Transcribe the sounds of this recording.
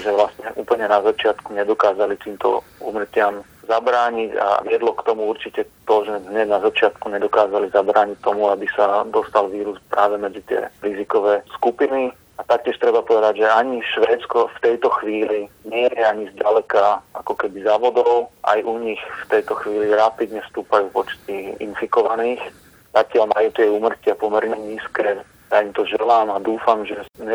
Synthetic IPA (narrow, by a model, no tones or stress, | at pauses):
ʒɛʋlast̪ɲɛʔuːpl̩ɲɛnazat͡ʃɪat̪kuɲɛd̪ɔkaːzalit̪iːmt̪ɔ̰ṵːmr̩cɪam | zabɾaːɲica̰ʋɪɛd̪lɔkt̪ɔmuuɾt͡ʃicɛt̪ɔʒɛɦɲɛnazat͡ʃɪat̪kuɲɛd̪ɔkaːzalizabɾaːɲic̚t̪ːɔmuabisad̪ɔst̪alʋiːɾuspɾaːʋɛmɛd͡zit̪ɪɛ̰ɾizikɔʋɛːskupini | at̪ak̚cɪɛʃt̪ɾɛbapɔʋɛd̪aɟʒɛaɲiʃʋɛːt̪t͡skɔft̪ɛjt̪ɔxʋiːliɲɪɛjɛaɲizɟalɛkaakɔkɛbizaːʋɔd̪ɔʊʔa̰jʔuɲixft̪ɛjt̪ɔxʋiːliɾapid̪ɲɛfst̪uːpajuːpɔt͡ʃt̪iḭnfikɔʋaniːx | tak̚cɪaʎmajuːt̪ɪɛuːmr̩cɪapɔmɛɾɲɛɲiːskɛː | jaimt̪ɔʒɛlaːmad̪uːfamʒɛɲɛ